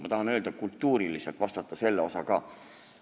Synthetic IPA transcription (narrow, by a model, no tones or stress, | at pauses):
mɑ̰t̪ɑɦɑnø̞ːld̪̥ɑkult̪ːuːɾiliselt̪vɑst̪ɑt̪ːɑse̞lːeo̞sɑkɑː